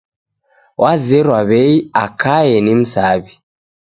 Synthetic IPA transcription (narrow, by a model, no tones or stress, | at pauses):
wʔazɛɾwaβɛiakajɛnim̩saβi